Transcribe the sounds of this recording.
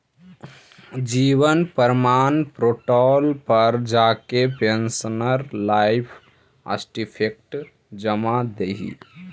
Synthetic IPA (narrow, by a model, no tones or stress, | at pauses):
d͡ʒiːʋənpəɾmaːnpɾoːʈɔlpəɾd͡ʒaːkepensənəɾlaɪpʰ | ə̰sʈipʰek̚ʈ | d͡ʒəmad̪eɦḭ